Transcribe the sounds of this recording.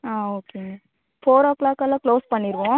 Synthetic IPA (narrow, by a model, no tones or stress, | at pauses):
aːoːke | foːɾɔklaːkɛlːãːkloːspɐɳːɪɾʋʊ̃ː